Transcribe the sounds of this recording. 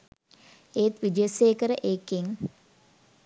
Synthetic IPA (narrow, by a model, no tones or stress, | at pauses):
eːt̪ʋid͡ʒeseːkəɾəʔeːkiŋ